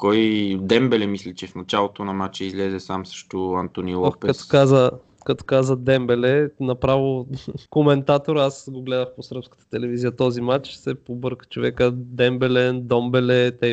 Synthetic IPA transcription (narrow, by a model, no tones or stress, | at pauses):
kɔjd̪ɛmbɛlɛmislit͡ʃɛfnɐt͡ʃalˠot̪onɐmat͡ʃɛizlɛzɛsamsə̥ʃt̪oɐnt̪onilˠopɛɐso̥kazə | kɐt̪o̥kazəd̪ɛmbɛlɛnɐpɾavokomɛnt̪at̪oɾasɡoɡlɛd̪əxposɾəpskə̥t̪ə̥t̪ɛlɛvizijət̪ɔzimat͡ʃsɛpobɤɾkə̥t͡ʃovɛkəd̪ɛmbɛlɛnd̪ɔmbɛlɛt̪ɛ